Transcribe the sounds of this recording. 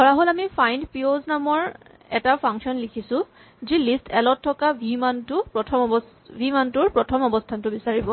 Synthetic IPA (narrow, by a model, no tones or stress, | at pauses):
lɔɹaɦolamipʰajndpioznamɔɹ | ɛ̰tapʰaŋksɔnlikʰisʊ̃ | zilistʰɛlɔtʰːɔkabʱimantʊpɹɔtʰɔm | bʱimantʊɹpɹɔtʰɔmɔbɔstʰantʊbisaɹibɔ